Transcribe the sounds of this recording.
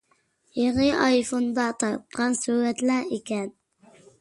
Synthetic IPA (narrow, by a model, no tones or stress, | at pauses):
jeʁɨʔɑjfund̪ɑt̪ʰɑɾt̪̚qʰɑnsuːɾɛt̪læekʲʰɛn